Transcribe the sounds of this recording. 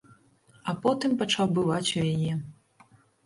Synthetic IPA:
ɐpɔt̪ɨmpat͡ʂawbɨvat͡sʲujajɛ

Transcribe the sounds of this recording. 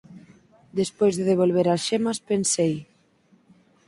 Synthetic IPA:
d̪espejzðeðeβ̞olβ̞eɾalʃemaspensej

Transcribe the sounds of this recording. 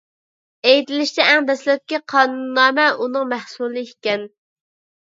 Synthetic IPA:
ejt̪ɪlɪʃt̪ʰɛːŋd̪ɛslɛt̪̚kʲiqʰɑːnunːɑːmɛʔunɨŋmæhsulˠɨikʲɛn

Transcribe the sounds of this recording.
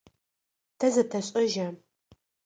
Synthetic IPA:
tʰɐzɐtʰɐɕʼɪʒa

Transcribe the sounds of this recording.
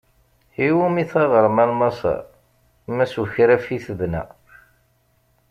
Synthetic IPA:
hiwumiθɑʁəɾˤmælmɑsˤɑ̰ | mæsuçɾæfiθəðnæ̰

